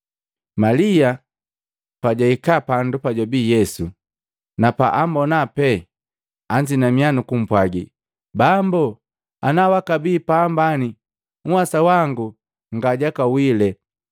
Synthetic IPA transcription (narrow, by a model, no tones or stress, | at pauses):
malija | paɟaikapandupaɟabiːjɛsu | napa̰ʔambɔnapɛ | aɲd͡ʒinamianukum̩pwaɡḭ | bambɔ | anawakabiːpaːmbani | ŋ̩wasawaŋɡu | ŋɡaɟakawilɛ